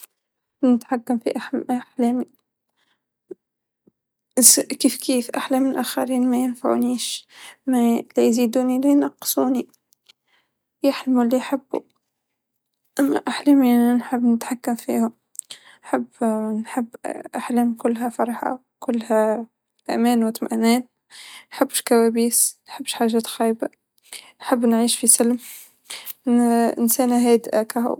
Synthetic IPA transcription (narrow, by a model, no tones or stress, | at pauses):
nət̪ħakːamfḭʔaaħlæːmi | skiːfkiːfʔaħlæmːɪnʔæxaɾiːnmæjɪnfaʕṵniːʃmælijziːd̪uːnilijnɑqːsˤuːni | jaħlmulːijħabːṵ | ʔæmːæ̰ʔaħlæminħəbːnət̪ħakːamfḭhʊm | nħəbːnħəbːʔaħlæːmkʊlːɦæfɑɾˤħɑ̰ | kʊlːhæ | ʔæ̰mæːnwət̪mæ̰ʔnɛːt̪ | nħəbːəʃkæwæbiːsnħəbːʃħaːʒæːt̪xijba | nħəbːnʕiːʃfisəlm | ʔə̰nsænæɦæːd̪ʔakæhṵ